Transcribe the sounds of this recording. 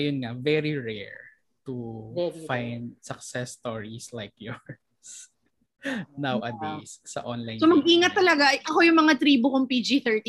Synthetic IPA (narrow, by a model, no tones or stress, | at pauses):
jʊnŋavɛɹiɹɛ̰ɹ | t̪ufajnd̪̚sɐk̚sɛst̪oɹislajkjuɹ | s | nawʔɐt̪issɐ̰ʔonlajsomɐɡ̚ʔiːŋɐt̪ːɐlɐɡajʔɐko̞jʊŋmɐŋat̪ɾiːbʊkoŋpid͡ʒiθɛɹt̪i